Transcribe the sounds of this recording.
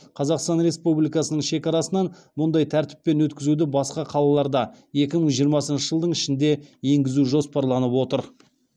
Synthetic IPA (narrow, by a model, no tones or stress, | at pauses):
qʰɑzɑqst̪ɑnɾe̞spublijkɑsənəɴʃe̞kɑɾɑsənɑn | mʊnd̪ɑjt̪ʰæɾt̪ɪ̥p̚ːe̞nwɵt̪kʲɪzud̪ɪbɑsqɑqʰɑlˠɑlˠɑɾd̪ɑje̞kʲɪməɴʒijəɾmɑsənʃəʒəlˠd̪əɴɪʃɪnd̪e̞je̞ŋɡʲɪzuʒo̞spɑɾlˠɑnəpwo̞t̪əɾ